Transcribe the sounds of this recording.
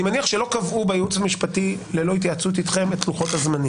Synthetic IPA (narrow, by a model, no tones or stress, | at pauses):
nimaniaχʃe̞lo̞kavʔubejut͡samiʃpatile̞lohit̪̬jat͡sut̪̬itχe̞mettːluχo̞thazmani